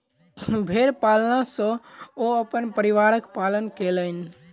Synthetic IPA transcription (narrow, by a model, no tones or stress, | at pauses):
bʱeɾpalnasə̃oəpənpəɾiʋaɾəkpalənkelən